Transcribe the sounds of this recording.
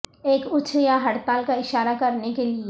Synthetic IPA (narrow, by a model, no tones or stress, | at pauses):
eːkʊt͡ʃʰjaɦɐɽt̪aːlkaɪʃaːɾakɐɾnekelie